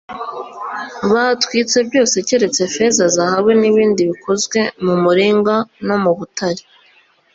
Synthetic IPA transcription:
βatwit͡se̞bɟo̞ːse̞ce̞ɾe̞t͡se̞fe̞zazahaβweniβiːndiβikʰo̞zɡwe̞mumuɾiːŋɡano̞muβutaɾi̥

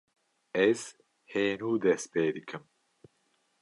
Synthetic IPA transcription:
ɛz̥ | heːnuːd̪ɛst̪peːd̪ɨkʰɨm

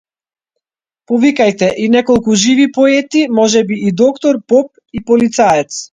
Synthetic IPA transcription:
pɔvikajt̪ɛʔinɛkɔlˠkuʒivipɔɛt̪imɔʒɛbiːd̪ɔkt̪ɔɾpɔp̚ | ipɔlit̪saɛt̪s

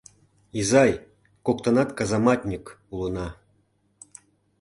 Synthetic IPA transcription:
izɑj | kokt̪ɤ̆nɑt̪kɑzɑmɑtʲnʲik | ulˠɤ̆nɑ

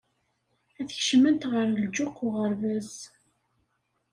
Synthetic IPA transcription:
æθəçʃəmənt̪ʁəɾəld͡ʒʊqːʊʁəɾvæz

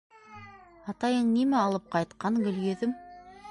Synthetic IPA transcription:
ɑt̪ɑjɤɴnimæɑlˠɤp̚qʰɑjt̪qɑɴɡɵ̆ljeðɘm

